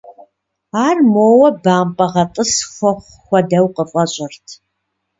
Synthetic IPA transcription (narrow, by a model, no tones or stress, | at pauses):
aːrmoːwɐbaːmpʼɐʁɐtʼɨsxʷɔχʷ | xʷɔdɐwqəfʼɐɕʼɪrtʰ